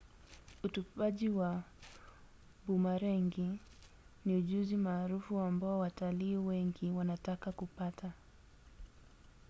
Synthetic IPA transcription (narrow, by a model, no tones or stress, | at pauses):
utupaʄiwa | bumaɾɛŋɡi | niuʄuzimaːɾufuambaɔwataliːwɛŋɡiwanatakakupatʰa